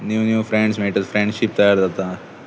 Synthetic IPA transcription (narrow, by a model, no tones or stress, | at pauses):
niʋnjuːfɾeɳɖsmeːʈɐdfɾeɳɖʃip̚t̪ɐjaːɾd̪ɐt̪ːa